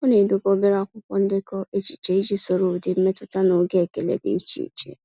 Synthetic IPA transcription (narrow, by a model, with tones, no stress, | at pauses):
ʊ˦ne˨dʊ˨ko˦be˦ɾa˦˨kʷʊ˦kʷɔ˦n̩˦dɪ˦kɔ˦ʔe˦t͡ʃi̥˨t͡ʃe˨i˦d͡ʒi˦so˨ɾo˨dɪ˨m̩˦me˦tʊ˨ta˦no˨ɡe˦˨ke˨lḛ˨dɪ̰˨i˦t͡ʃḭ˨t͡ʃḛ˨